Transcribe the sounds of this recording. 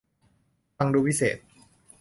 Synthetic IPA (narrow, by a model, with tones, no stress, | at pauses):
fa˧ŋduː˧pi˦˥sḛː˨˩t̪̚